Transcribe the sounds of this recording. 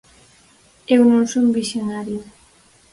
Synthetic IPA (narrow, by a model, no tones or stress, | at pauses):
ewnõnsumbisjonaɾjo